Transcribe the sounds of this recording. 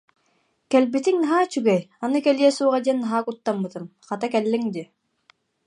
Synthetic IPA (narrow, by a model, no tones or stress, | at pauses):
kɛlbit̪iŋnaɦaːt͡ɕyɡɛjanɯkɛliɛsuːʁad̪iɛnːaɦaːkut̪ːamːɯt̪ɯmχat̪akɛlːiŋd̪i